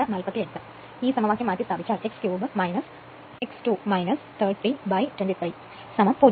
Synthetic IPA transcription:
ɐnɐlpɐt̪ːiet̪ːɨ | iːsɐmɐʋaːkːjɐmaːt̪ːist̪ʰaːbʱit͡ɕːaːɭekskjuːbɨmɐjnɐs | eksʈumɐjnɐst̪ʰɐɾʈːibɐjtwenʈit̪ɾij | sɐmɐmpo

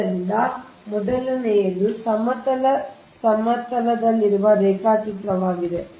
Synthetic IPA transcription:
ɾind̪ɐ | mɔd̪ɐlunɛjɐlusɐmɐt̪ɐlɐ | sɐmɐt̪ɐlɐd̪ɐlːiɾuʋɐɾeːkaːt͡ʃit̪ɾɐʋaːɡid̪e̞

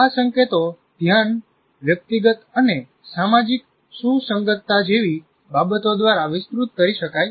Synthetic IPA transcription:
asəŋket̪o | d̪ʱjan | ʋjək̚t̪iɡət̪əne | samad͡ʒik̚ | susəŋɡət̪ːad͡ʒeʋi | babət̪od̪ʋaɾaʋɪspɾut̪̚kəɾiʃəkaj

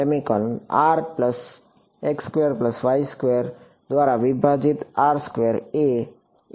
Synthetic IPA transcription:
emikɔnaɾpləs | ekskʋeɾpləsʋajskʋeɾ | d̪ʋaɾaʋibʱad͡ʒit̪aːɾskʋeɾe

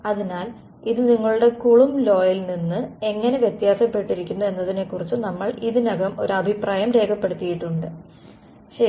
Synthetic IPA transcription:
ɐðinaːl | iðɨniŋːɐɭuɽe̞kuɭumlo̞ːjɐlninːɨe̞ŋːɐne̞ʋjet̪jaːsɐpːe̞ʈːiɾikʲːunːue̞nːɐðine̞kːurit͡ɕːunɐmːɐɭiðinɐɡɐmo̞ɾuɐbʱipraːjɐmɾe̞ːkʰɐpːe̞ɽut̪ːijiʈːuɳɖɨ | ɕ

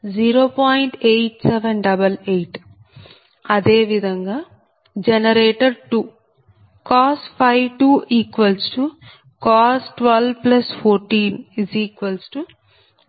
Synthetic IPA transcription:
d͡ʒiːɾoːpaːjiɳʈejʈsɛʋɐnɖɐbɐlejʈ | ɐd̪eːʋid̪ʱɐŋɡaː | d͡ʒɛnɐɾeːʈɐɾʈu | kaːsʈpʰɐjʋʈuːʔiːkʋɐlsʈu | kaːsʈʋɐlplɐspʰoːɾʈiːnisiːkʋɐlsʈu

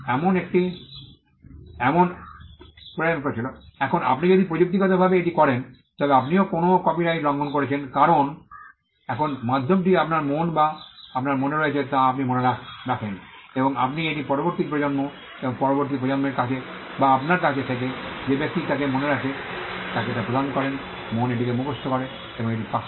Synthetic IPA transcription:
ɛmonek̚ʈi | ɛmon | peemkoɾet͡ɕʰiloɛkʰona̰pnid͡ʑod̪ipɾod͡ʑuk̚t̪̬ikɔt̪̬obʱabeeʈikɔɾen | t̪ɔbeap̬niokonokɔpiʈajɾɔŋɡʱonkoɾet͡ɕʰenkaɾon | ɛkʰonmad̪ʱːomʈiapnaɾmonbaapnaɾmoneɾoet͡ɕʰet̪aap̬nimoneɾakɾakʰen | eboŋa̰pnieʈipɔɾoboɾt̪ikpɾod͡ʑonmo | eboŋpɔɾoboɾt̪̬ipɾod͡ʑonmeɾkat͡ɕʰebaapnaɾt̪at̪et̪ʰeked͡ʑebek̚t̪it̪akemoneɾakʰet̪akeʈapɾod̪ʱankɔɾen | moneʈ̬ikemukost̪ʰokɔɾe | eboŋeʈipa

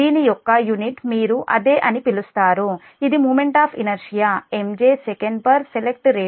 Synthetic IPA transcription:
d̪iːnijɔkːɐjuniʈmiːɾuʔɐd̪eːʔɐnipilust̪aːɾu | id̪imuːmeɳʈaːpʰinɐɾʃijaːemd͡ʒeːsekɐɳɖpɐɾselek̚ʈɾeː

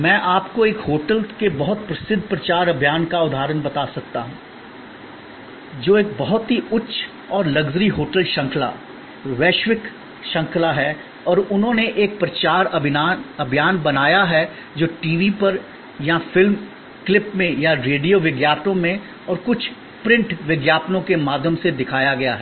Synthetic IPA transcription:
mɛ̃ːʔaːpkoeːkhoːʈəlkebɐɦʊt̪̚pɾɐsɪd̪ʱpɾɐt͡ʃaːɾɐbʱjaːnkaʊd̪ʱaːɾənbɐt̪asɐk̚t̪a̰ɦũː | d͡ʒoːeːk̚bɐɦʊt̪ɦiʊtːʃʰ | ɔːɾlɐɡzɾiɦoːʈəlʃɐ̃ŋkʰla̰ː | ʋeːʃʋɪk | ʃɐ̃ŋkʰlaɦɛ | ɔːɾʊnɦõneʔeːk̚pɾɐt͡ʃaːɾbʱaɐbʱjaːnbɐnaːjaɦɛ | d͡ʒoːʈiːʋipɐɾ | jafɪlm | klɪpmẽjaɾeːɖijoʋɪɡjaːpʈ̪õmẽ | ɔːɾkʊt͡ʃʰ | pɾɪ̃ɳʈʋɪɡjaːpnõkemaːd̪ʱjəmsed̪ɪkʰaːjaɡɐjaɦɛː

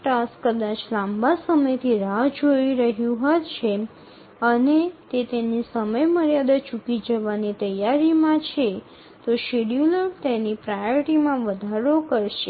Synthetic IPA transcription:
ʈaskəd̪at͡ʃlãmbasəməjt̪ʰiɾad͡ʒoiɾəɦjũɦət̪t͡ʃʰe | ənet̪et̪enisəməjməɾjad̪at͡ʃukid͡ʒəʋanit̪əjaɾimãt͡ʃʰe | t̪oʃeɽjuləɾt̪enipɾajʈimãʋəd̪ʱaɾokəɾʃe

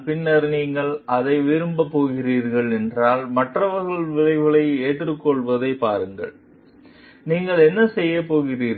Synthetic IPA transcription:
pɪnːɐɾniːŋɡɐɭɐðɐɪʋɪɾɯmbɐpːoːɣɪriːɾɣɐɭɛndraːlmɐʈrɐʋɐɾɣɐɭʋɪɻɐɪʋɣɐɭɐɪeːʈːrɯkːɔɭʋɐðɐɪpaːɾɯŋɡɐ̰ɭ | niːŋɡɐɭɛnːɐsɛjːɐpoːɣɪriːɾ

